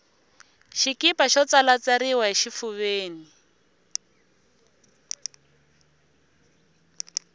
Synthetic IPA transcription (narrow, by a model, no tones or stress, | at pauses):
ʃikipaʃɔt͡salat͡saɾiwaɦiʃifuβeːni